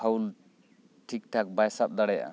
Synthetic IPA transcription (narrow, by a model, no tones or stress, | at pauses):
awl | ʈʰik̚ʈʰak̚bajsap̚d̪aɽaja̰